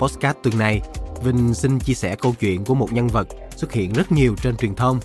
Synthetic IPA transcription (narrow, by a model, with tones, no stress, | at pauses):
pɔ˦˥kaː˦˥t̚t̪ɨ˨˩ŋna˨˩jvï˧˩ŋ̟si˧ŋt͡ɕi˧əsɛ˧˩kə˧wt͡ɕwḭ˧˨ənku˧˩əmo˨˩t̚ɲa˧nvə˨˩t̚ | swə˦˥t̚hḭ˧˨ənzə˦˥t̚ɲi˨˩əwt͡ɕe˧nt͡ɕwi˨˩nt̪ʰə˧wŋ͡m